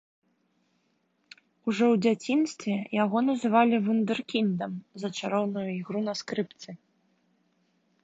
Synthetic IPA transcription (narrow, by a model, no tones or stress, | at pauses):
uʐɔwd͡zʲat͡sʲinst̪vʲɛjaɣɔnɐzɨvalʲivund̪ɨrkʲind̪ɐmzɐt͡ʂaɾɔwnujuiɣɾunɐskɾɨpt̪sɨ